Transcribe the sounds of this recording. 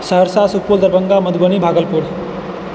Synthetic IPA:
səɦəɾsasukpuld̪əɾbəŋɡaməd̪ɡənibʱaːɡəlpuɾ

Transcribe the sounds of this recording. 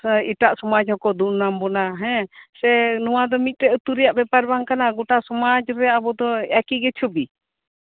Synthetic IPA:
iʈaʔsɔmad͡ʒhɔkɔd̪unːambɔnaɦɛ̃sɛnuwad̪ɔmit̪̚ˀt̪ɛʔət̪uɾɛjaʔbɛpaɾbaŋkanaɡɔʈasɔmad͡ʒɾɛabɔd̪ɔakiɡɛt͡ʃʰɔbi

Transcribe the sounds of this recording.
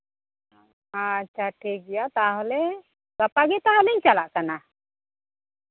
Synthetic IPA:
at͡ʃʰaʈʰik̚ɡɛjat̪aɦɔlɛ | ɡapaɡɛt̪aɦɔliɲt͡ʃalaʔkana

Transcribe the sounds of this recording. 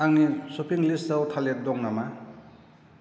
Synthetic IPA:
aŋnisopʰiŋliszawtʰalet̚dɔŋnama

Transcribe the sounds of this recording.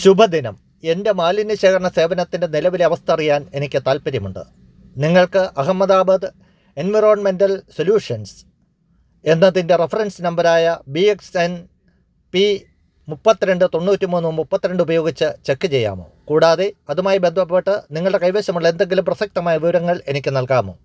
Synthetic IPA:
ɕubʱɐd̪inɐ̰m | e̞nde̞maːlinɨɕeːkɐrɐɳɐse̞ːʋɐnɐt̪ːinde̞nilɐʋileɐʋɐst̪ʰɐɐrijaːne̞nikʲːɨt̪aːlpɐɾjɐmuɳɖɨ̰ | niŋːɐɭkɨʔɐɦɐmːɐðaːbɐd̪ɨ | enʋiroːɳme̞ndɐlsoljuːʂɐns | e̞nːɐðinde̞refɐrɐnsnɐmbɐɾaːjɐbieksen | pi | mupːɐt̪ːiɾe̞ɳɖɨt̪o̞ɳːuːtːimuːnːɨmmupːɐt̪ːiɾe̞ɳɖɨubɐjo̞ːɡit͡ɕːɨt͡ɕe̞kːɨt͡ɕe̞jːa̰ːmo̞̰ːkuːɽaːðeɐðumaːjibe̞nd̪ʱɐpːeʈːɨniŋːɐɭɨɽe̞kɐjʋeːɕɐmuɭːɐe̞nd̪e̞ŋɡilumprɐsɐk̚t̪ɐmaːjɐʋiʋɐɾɐŋːɐɭe̞nikʲːɨnɐlkaːmo̞̰ː

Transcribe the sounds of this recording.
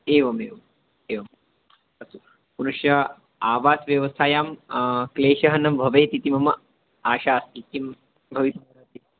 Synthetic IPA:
eːʋɐmeːʋɐm | eːʋɐm | ɐsu | punuʃjɐ | aːʋaːsʋjɐʋɐsaːjaːmkleːʃɐɦɐnɐmbʱɐʋeːt̪it̪imɐmɐ | aːʃaːst̪ikːim | bʱɐʋit̪ɐɐɾaːt̪i

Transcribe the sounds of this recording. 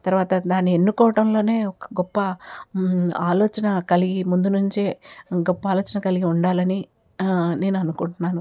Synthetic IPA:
t̪ɐɾuʋaːt̪ɐd̪aːnːienːukɔːʋɐʈɐmlo̞ːne̞ːɔkɐ̥ɡɔpːɐ | aːloːt͡ʃɐnɐkɐliɡimund̪unuɲt͡ʃeːɡɔpːɐaːlo̞ːt͡ʃɐnɐkɐliɡiuɳɖaːlɐni | ne̞ːnuɐnukuɳʈunːaːnu

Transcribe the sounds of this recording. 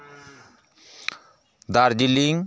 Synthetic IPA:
d̪aɾd͡ʒiliŋ

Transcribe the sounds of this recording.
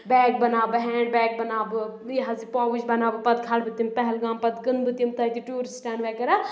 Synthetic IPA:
bɛːk̚bɐnaːbɨɦɛ̃ːɖbɛːk̚bɐnaːbɨiɦɐzipɔːwud͡ʒbɐnaːbɨpɐt̪̚kʰaːlbɨt̪impɐɦɛlɡãːmpɐt̪ɡɨnd̪bɨt̪imt̪ɐt̪iʈuːɾisʈaːnʋɛːkɐɾɐ

